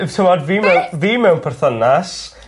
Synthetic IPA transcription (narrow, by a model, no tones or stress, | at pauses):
tʰəmɔdviːmɛwnviːmɛwnpʰɛrθənas